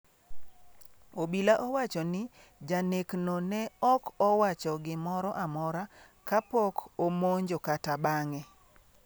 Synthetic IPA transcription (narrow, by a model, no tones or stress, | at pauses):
obilaʔɔwat͡ʃɔnɪ | d͡ʒaneknonɛɔkɔwat͡ʃɔɡɪmɔɾɔʔamɔɾa | kapɔkomoɲd͡ʒokatabaŋɛ